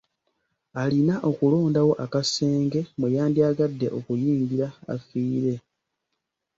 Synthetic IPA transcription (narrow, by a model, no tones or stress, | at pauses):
alinaʔo̞kulo̞ːndawo̞ʔakase̞ːŋɡe̞mujaːndiaɡadːe̞ʔo̞kujiːŋɡiɾa̰ːfiːɾe̞